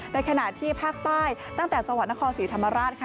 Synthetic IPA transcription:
na˧jkʰa˧na˨˩t̪ʰiː˥˩pʰaː˥˩k̚t̪aː˥˩jt̪a˥˩ŋt̪ɛː˨˩t͡ɕa˧ŋw̪̚na˥kʰɔː˧nsiː˩˦t̪ʰa˧mːa˧ɾaː˥˩t̪̚kʰa˥

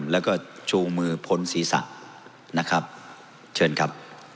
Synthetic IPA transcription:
mlɛː˦˥wkɔː˥˩t͡ɕuː˧ŋmɯː˧pʰo˨˦˥nsiː˩˦sa̰˨˩ʔ | na˦˥kʰɾa˦˥p̚ | t͡ɕʰɤː˧nkʰa˦˥p̚

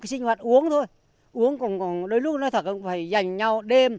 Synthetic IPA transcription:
jsi˧ŋ̟hwaː˨˩t̚ʔu˨˦əŋt̪ʰo˧j | ʔu˨˦əŋkɔ˨˩nkɔ˨˩nɗo˨˦jlʊ˦˥k̚nɔ˨˦jt̪ʰə˨˩t̚ʔfaː˧˩jza˨˧˩jŋ̟ɲa˧wɗe˧m

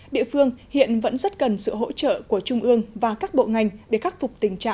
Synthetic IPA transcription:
ɗḭ˧˨əfɨ˧əŋhḭ˧˨ənvə̰˧˥nzə˦˥t̚kə˨˩nsɨ̰˧˨ɦo̰˧˥t͡ɕə̰ː˧˨ku˧˩ət͡ɕʊ˧ŋ͡mʔɨ˧əŋvaː˨˩kaː˦˥k̚ɓo̰˧˨ŋa˨˩jŋ̟ɗe˧˩xa˦˥t̚fʊ˨˩k͡p̚t̪ï˨˩ŋ̟t͡ɕa̰ː˧˨ʔ

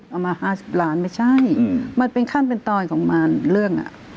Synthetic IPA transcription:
ʔa˧˩wmaː˧haː˧˥˩si˨˧˦p̚laː˨˦˥nma˥˩jt͡ɕʰa˥˩jma˧npe˧nkʰa˥˩npe˧nt̪ɔː˧nkʰɔː˩˦ŋmaː˧nlɯ˥˩əŋʔa̰˨˩

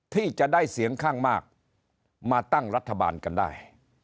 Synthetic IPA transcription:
t̪ʰiː˥˩t͡ɕa˨ʔdaː˥˩jsi˨˩˦əŋkʰaː˥˩ŋmaː˥˩k̚ | maː˧t̪a˥˩ŋɾa˦˥t̪ʰːa˧ba̰ː˧nka˧nda̰ː˥˩j

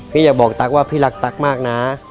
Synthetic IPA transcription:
kʰɯː˧˥jaː˨˩k̚bɔː˨˩k̚t̪a˨˩k̚waː˥˩pʰiː˥˩la˨˦˥k̚t̪a˨˩k̚maː˥˩k̚naː˦

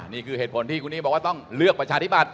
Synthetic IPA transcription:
niː˥˩kʰɯː˧˩eː˨˩t̪̚pʰo˩˦nt̪ʰiː˥˩kʰu˧nːiː˦˥bɔː˨˩k̚waː˥˩t̪ɔ˥˩ŋlɯ˥˩ək̚pɾa˧t͡ɕʰaː˧t̪ʰi˦˥˩pa˨˧˩t̪̚

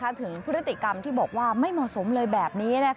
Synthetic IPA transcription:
a˦˥˩t̪ʰɯ˩˦ŋpʰɯ˦˥ɾt̪ːi˨˩ka˧mt̪ʰiː˥˩bɔː˨˩k̚waː˥˩ma˥˩jmɔ˨˩so˩˦mlɤː˧jbɛː˨˩p̚niː˦˥na˦˥

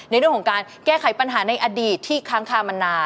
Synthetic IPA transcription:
na˧ɾɯ˥˩kʰɔ˨˩˦kaː˧nkɛː˥˩kʰa˨˩˦jpa˧nɦaː˩˦na˧jʔaː˧diː˨˩t̪ʰːiː˥˩kʰaː˦˥ŋkʰaː˧˩ma˧nːaː˧

